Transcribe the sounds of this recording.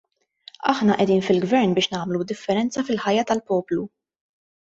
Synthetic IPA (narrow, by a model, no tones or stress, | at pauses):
ɐħnɐʔɛd̪iːnfɪlɡvɛɾnbɪːʃnɐːmlud̪ɪfːɛɾɛnt͡sɐfɪlħɐjːɐt̪ɐlpɔːplu